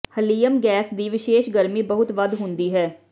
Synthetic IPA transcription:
həliːəmɡɛːsd̪iːʋɪʃeːʃɡəɾmiːbəɦʊt̪ʋəd̪ɦʊnd̪iːɦɛː

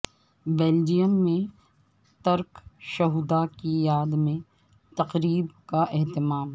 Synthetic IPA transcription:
beːld͡ʒijəmːẽ | t̪ɐɾkʃɐɦud̪akijaːd̪mẽ | t̪ɐqɾiːbkaʔɛɦt̪ɪmaːm

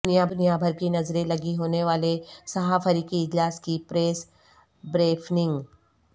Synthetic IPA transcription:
njabʊnijabʱɐɾkinɐzɾẽlɐɡiɦoːneʋaːlesɐɦaːfəɾiːkiɪd͡ʒlaːskipɾeːs | bɾeːpʰnɪ̃ŋɡ

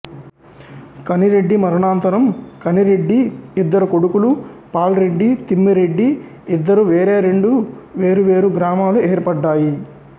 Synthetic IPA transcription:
kɐniɾe̞ɖːimɐɾɐɳaːnt̪ɐɾɐmkɐniɾe̞ɖːiid̪ːɐɾuko̞ɽukulupaːlɾe̞ɖːit̪imːiɾe̞ɖːi | id̪ːɐɾuʋeːɾeːɾe̞ɳɖuʋe̞ːɾuʋeːɾuɡɾaːmaːlueːɾpɐɖːaːji

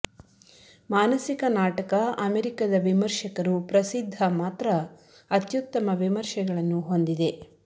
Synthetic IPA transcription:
maːnɐsikɐnaːʈɐkɐɐmeɾikad̪ɐʋimɐɾʃɐkɐɾupɾɐsid̪ʱːɐmaːt̪ɾɐ | ɐt̪jut̪ːɐmɐʋimɐɾʃɐɡɐɭɐnːuɦo̞nd̪id̪e̞

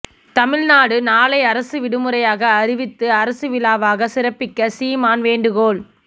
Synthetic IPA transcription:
t̪ɐmɪɻnaːɽɯnaːɭɐɪɐɾɐsɯʋɪɽɯmɯɾɐjaːɣɐːɾɪʋɪt̪ːɯɐɾɐsɯʋɪlaːʋaːɣɐsɪɾɐpːɪkːɐsiːmaːnʋeːɳɖɯɣoːɭ

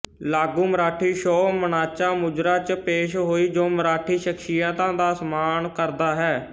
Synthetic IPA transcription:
laːɡũːməɾaːʈʰiːʃɔːmənaːt͡ʃãːmʊd͡ʒɾaːt͡ʃpeːʃɦoːiːd͡ʒoːməɾaːʈʰiːʃəkʃijãːt̪ãːd̪aːsəmaːnkəɾd̪aːɦɛː

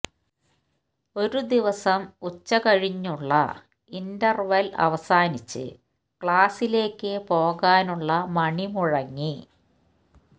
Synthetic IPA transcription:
o̞ɾud̪iʋɐsɐmut͡ɕːɐkɐɻiɲːuɭːɐ̰ | indɐrʋɐlɐ̰ʋɐsaːnit͡ɕːɨ̰ | kɭaːsile̞ːkːɨpo̞ːɣaːnuɭːɐmɐɳimuɻɐŋːi

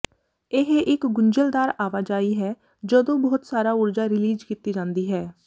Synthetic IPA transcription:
ɪɦʔɪkɡʊɲd͡ʒəld̪aːɾaːʋaːd͡ʒaːiːɦɛː | d͡ʒəd̪õːbɔːt̪saːɾaːʊɾd͡ʒaːɾɪliːd͡ʒkiːt̪iːd͡ʒãːnd̪iːɦɛː

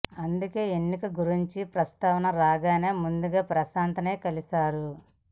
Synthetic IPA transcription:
ɐnd̪uke̞ːenːikɐɡuɾiɲt͡ʃipɾɐst̪aːʋɐnɐɾaːɡaːne̞ːmund̪uɡaːpɾɐsaːnt̪ɐne̞ːkɐlisaːɾu

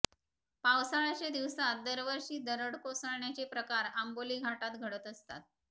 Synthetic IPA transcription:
pawsaɭat͡ɕed̪iʋsat̪̚d̪əɾʋəɾɕiːd̪əɾəɽkosəɭɳjat͡ɕepɾəkaɾamboliːɡʱaʈat̪ɡʱəɽət̪əst̪a̰t̪̚

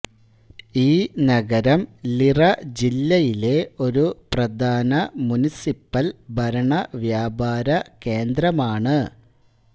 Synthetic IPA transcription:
iːnɐɡɐɾɐmlirɐd͡ʑilːɐjile̞o̞ɾuprɐd̪ʱaːnɐmunisipːɐlbʱɐɾɐɳɐʋjaːbaːɾɐke̞ːnd̪ɾɐmaːɳɨ

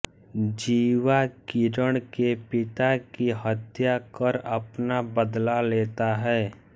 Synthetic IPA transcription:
d͡ʒiːwakiɾəɽ̃kepɪt̪akiɦət̪jakəɾɐpnabəd̪laleːt̪aɦɛː

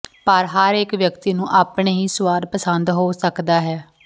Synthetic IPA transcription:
pəɾɦəɾeːkʋjəkt̪iːnũːʔaːpɳeːɦiːsʊʋaːɾpəsənd̪ɦoːsəkd̪aːɦɛː

